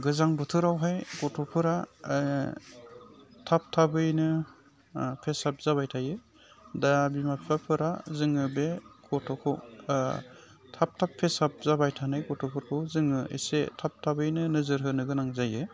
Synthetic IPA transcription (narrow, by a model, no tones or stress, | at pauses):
ɡɯzaŋbɯtʰɯɾawɦajɡɔtʰɔpʰɯɾa | tʰap̚tʰabɯjnɯ | pʰesap̚zaβajtʰajɯ | dabimapʰapʰɯɾazɯŋɯbekɔtʰɔkʰɔ | tʰap̚tʰapʰːesap̚zabajtʰanɯjkɔtʰɔpʰɯɾkʰɯwzɯŋɯʔḭsetʰap̚tʰabɯjnɯnɯzɯɾɦɯnɯɡɯnaŋzajɯ